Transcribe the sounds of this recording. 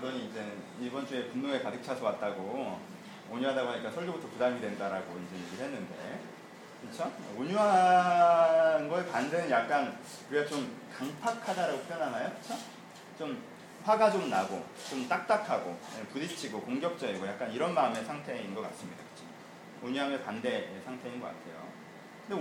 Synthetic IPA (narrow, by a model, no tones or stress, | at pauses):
kɯbʌɲiːnd͡ʑe̞nɯn | ibʌnt͡ɕue̞punːoŋe̞kadɯk̚t͡ɕʰasʰʌwat̚t͈aɡo | oɲuɦadaɡoɦaɲik͈asʰʌɭd͡ʑobutʰʌpudamidwendaɾaɡoind͡ʑejeɡiɭhe̞nːɯnde̞̰ | kɯt͡ɕʰooɲuɦa | nɡʌepandenɯnjak̚k͈an | kɯɾiɡat͡ɕomkaŋpʰakʰadaɾaɡopʰjʌnanajokɯt͡ɕʰo | t͡ɕom | ɸwaɡad͡ʑoɡnaɡo̰ | t͡ɕomt͈ak̚t͈akʰaɡo̰epudit͡ɕʰiɡokoŋɡjʌk̚t͡ɕ͈ʌiɡojak̚k͈aniɾʌnmaɯme̞sʰaŋtʰe̞inɡʌk͈a̰ts͈ɯmɲidakɯ̥t͡ɕʰo | oɲuɦamjʌnpande̞sʰaŋtʰe̞inɡʌk͈a̰tʰe̞jo̰ | kɯnde